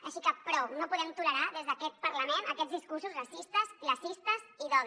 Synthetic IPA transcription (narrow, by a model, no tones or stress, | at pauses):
əʃikəpɾɔnopuðɛmt̪uləɾaðezðəkɛt̪̚pəɾləmenəkɛzðiskursuzrəsist̪əziləsist̪əziðɔβ